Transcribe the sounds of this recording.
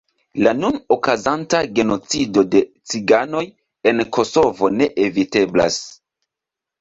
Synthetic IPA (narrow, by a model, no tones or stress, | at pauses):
lanunokazantaɡe̞no̞t͡sido̞de̞ | t͡siɡano̞j | e̞nkʰo̞so̞vo̞ne̞ʔevite̞bla̰s